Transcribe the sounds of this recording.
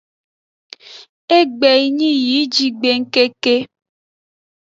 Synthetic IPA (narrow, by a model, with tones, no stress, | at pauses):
e˦ɡ͡bɛ˨i˦ɲĩ˦ji˨˦d͡ʒi˦ɡ͡be˨ŋ̩˦ke˦ke˦